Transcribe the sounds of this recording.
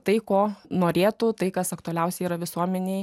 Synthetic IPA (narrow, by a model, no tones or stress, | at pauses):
t̪ɐɪkoːnoːɾʲeːt̪ʊt̪ɐɪkɐsɐkt̪ʊɐlʲɛʊsʲɛɪiːɾɐʋʲɪsuɔmʲɛnʲeɪ